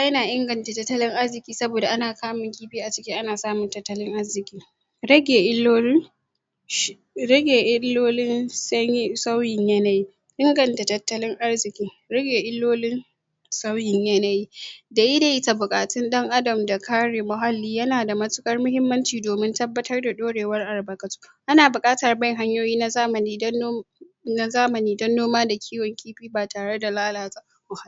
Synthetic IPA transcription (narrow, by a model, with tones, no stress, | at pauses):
ba˦jɐ˦naː˨ʔɪ˦ŋɡɐ˨nta˨tɐ˦tːɐ˦lɪ˦ŋʔa˦rzɪ˨kʲʼiː˦sɐ˦boː˨da˨ʔa˦naː˨kaː˦mʊ˨ŋɡʲiː˦bi˦ʔa˨t͡ʃɪ̥˦kʲɪ˦ʔa˦naː˨saː˦mʊ˨ntɐ˦tːɐ˦lɪ˦ŋʔa˦rzɪ˨kʲʼiː˦ | ɾɐ˦ɡʲeː˨ʔɪ˦lo˦ | ɐ˦ɡʲeː˨ʔɪ˦lːoː˦lɪ˦nsɐ˦ɲ˦sa˦wjɪ˨ɲjɐ˦na˨ji˦ | ʔɪ˦ŋɡɐ˨nta˨tɐ˦tːɐ˦lɪ˦ŋʔa˦rzɪ˨kʲiː˦ | ɾɐ˦ɡʲeː˨ʔɪ˦lːoː˦lɪ˦n | sa˦wjɪ˨ɲjɐ˦na˨ji˦da˨ʔɪ˦da˨ʔɪ˦ta˨bʊ˨kʼaː˨tɪ˦nɗɐ˦ŋʔa˦dɐ˨mda˨kʰaː˦ɽeː˨mʊ˨ɦa˦lːiː˦jɐ˦naː˨da˨mɐ˦tʊ˦kʼɐ˦rmʊ˦hɪ˦mːɐ˦nt͡ʃiː˨doː˨mɪ˦ntɐ˦bːɐ˦tɐ˦rda˨ɗoː˦ɽeː˨wɐ˦rʔa˨ɽbɐ˨kɐ˨tu̥˦ʔa˦naː˨bʊ˨kʼaː˦tɐ˨rbɐ˦ŋɦa˦ɲjoː˦jiː˦na˦zaː˦mɐ˨niː˦ | na˦zaː˦mɐ˨niː˦dɐ˦nːoː˦maː˦da˨kʲʰiː˦wɐ˨ŋkʲiː˦ɸiː˦baː˨tʰaː˨ɽe˦da˨laː˦laː˨ta˦˨kʷʊ˨˦ha˦˨